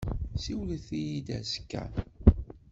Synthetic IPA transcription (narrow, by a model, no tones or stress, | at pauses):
siwlθijid̪æ̰zə̥kːæ̰n